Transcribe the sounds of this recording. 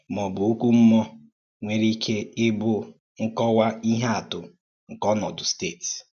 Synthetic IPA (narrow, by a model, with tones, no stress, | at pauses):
mɔ˨bʊ˨o˦kʷu˦m̩˦mɔ˦ | ŋʷe˦ɾi˦kʰe˦ɪ˦bʊ˦ | ŋ̩˦kɔ˦wa˦i˦ɦe˦a˨tʊ˨ | ŋ̩˨kɔ˦nɔ˨dʊ˨steː˦˨t